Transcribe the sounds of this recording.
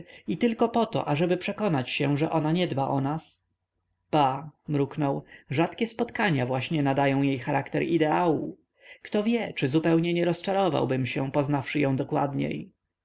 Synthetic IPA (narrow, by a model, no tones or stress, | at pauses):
it̪ɘlkɔpɔt̪ɔ̰ʔaʐɛbɘpʂɛkɔnat͡ɕɕɛʐɛʔɔnaɲɛd̪baʔɔnas | b̥amɾuknɔwʐat̪kʲɛspɔt̪kaɲavwaɕɲɛnad̪ajɔ̃w̃jejxaɾʔakt̪ɛɾid̪ɛawu | kt̪ɔvʲjɛt͡ʂɘzupɛwɲɛɲɛɾɔst͡ʂaɾɔva̰wbɘmɕɛ̃pɔznafʂɘjɔ̃w̃d̪ɔkwa̰d̪ɲḛj